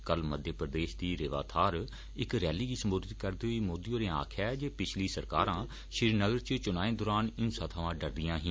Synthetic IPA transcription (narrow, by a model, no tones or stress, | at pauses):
kəlməd̪ʱjəpɾəd̪eːʃd̪iːɾeːʋa̰ːt̪ʰaːɾ | ɪkɾɛːliːɡiːsəmboːd̪ɪt̪kəɾd̪eoiːmoːd̪ijõːɾẽːa̰ːkʰɛːd͡ʒeːpɪt͡ʃʰliːsəɾka̰ːɾãː | ʃɪɾinəɡəɾt͡ʃt͡ʃʊnaːẽːd̪oːɾaːnɪnsət̪ʰʋãːɖəɾd̪ɪjãːɦɪ̃ː